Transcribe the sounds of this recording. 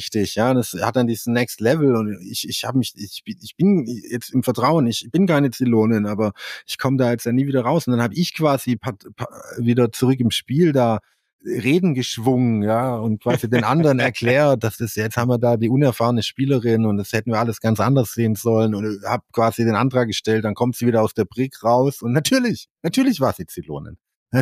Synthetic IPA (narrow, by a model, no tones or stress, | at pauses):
ɪçtɪçjaːd̥asha̰t̚d̥andiːzəsnɛkstlɛvl̩ʊntɪ̰çɪçhaːbəmɪçɪ̥ɪçb̥ɪnjɛt͡stɪmfɛɐtʁ̥aʊənɪçb̥ɪnkaɪnət͡siloːnɪnʔaːbɐɪçkʰɔmədaːjɛt͡stjaːniːviːdɐʁaʊsʊnd̥anhaːbəɪçkv̥aːzipʰatpʰaviːdɐt͡suʁʏk̬ɪmʃpiːldaː | ʁeːdn̩ɡəʃv̥ʊŋənjaːʊnt̚kv̥aːzideːnʔandəʁənɛɐkʰl̥ɛːɐt̚d̥asd̥asjɛt͡sthaːbm̩viːɐdaːdiːʔʊnɛɐfaːʁənəʃpiːləʁɪnʊntd̥ashɛtn̩viːɐʔaləsɡ̥ant͡sʔa̰ndɐsz̥eːənzɔlənʊnhaːb̚kv̥aːzideːnʔantʁ̥aːk̚ɡ̥əʃtɛltd̥ankʰɔmtz̥iːviːɾɐaʊsd̥eːɐbʁɪkʁaʊsʊntnatʰyːɐlɪçnatʰyːɐlɪçv̥aːz̥iːt͡silo̰ːnɪ̰n | a